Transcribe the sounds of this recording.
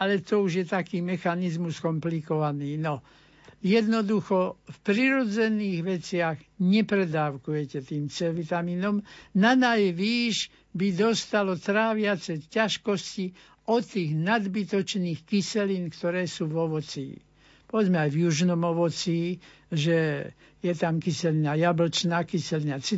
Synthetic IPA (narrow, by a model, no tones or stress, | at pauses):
alɛt̪ɔuʒjɛt̪akiːmɛxanizmuskɔmplikɔʋaniːnɔ | jɛd̪nɔd̪uxɔfpɾiɾɔd͡zɛniːɣʋɛt͡sɪaɣɲɛpɾɛd̪aːʊkujɛcɛt̪iːmt͡sɛʋit̪amiːnɔmnanajʋiːʒ | bid̪ɔst̪alɔt̪ɾaːʋɪat͡sɛcaʃkɔsci | ɔt̪ːiːɣnad̪bit̪ɔt͡ʃniːxkisɛliːnkt̪ɔɾɛːsuːʋɔʋɔt͡sḭː | pɔʋɛd͡zmɛajvjuʒnɔmɔʋɔt͡siː | ʒɛ | jɛt̪amkisɛlinajabl̩t͡ʃnaːkisɛlinat͡si